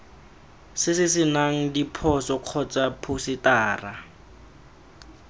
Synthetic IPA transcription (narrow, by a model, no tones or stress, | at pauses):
sɪsɪsɪnaŋ̩dipʰɔsɔq͡χʰɔt͡sʼapʰusɪtaːra